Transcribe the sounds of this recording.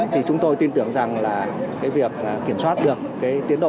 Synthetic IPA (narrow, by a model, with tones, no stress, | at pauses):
t̪ʰi˨˩t͡ɕʊ˨˦ŋ͡mt̪o˧jt̪i˧nt̪ɨ˨˧˩əŋza˨˩ŋlaː˨˩kaː˨˦jvi˨˩ək̚ʔkːi˧˩əmswaː˦˥t̚ɗɨ˨˩əkːaː˨˦jt͡ɕ̪i˨˦nɗo̰˧˨